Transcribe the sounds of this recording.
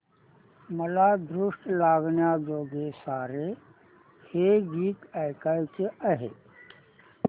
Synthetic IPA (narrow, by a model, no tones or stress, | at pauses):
məlad̪ɾʊʂʈlaːɡnjad͡ʒoːɡesaːɾe | heɡiːkajkajt͡ʃeʔəɦḛː